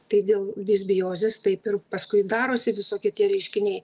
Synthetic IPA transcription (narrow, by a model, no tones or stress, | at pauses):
t̪ɐɪd̪ʲeːlˠd̪ʲesʲbʲɪjoːzʲest̪ɐɪpɪrpɐskʊɪd̪ɑːɾoːsʲɪʋʲɪsoːkʲɪɛt̪ʲiɛɾʲɛɪʃʲkʲɪnʲɛɪ